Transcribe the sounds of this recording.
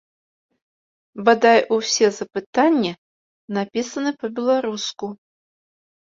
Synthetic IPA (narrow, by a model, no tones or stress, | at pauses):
bad̪ajʔusʲɛzɐpɨt̪anʲːɛ | napʲisɐnɨpɐbʲɛlˠaɾusku